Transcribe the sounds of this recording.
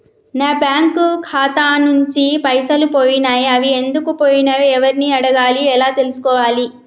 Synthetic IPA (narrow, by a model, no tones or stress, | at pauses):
naːbjaːŋkukʰaːt̪aːnuɲt͡ʃipɐjsɐlupoːjinaːjɐʋie̞nd̪ukupoːjinɐɛʋɐɾiniɐɽɐɡaːliɛlaːt̪e̞lusu̥kɔːʋaːli